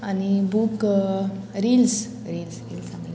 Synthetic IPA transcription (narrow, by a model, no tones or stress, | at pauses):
anibuk | ɾils | ɾilsɾiːlsaml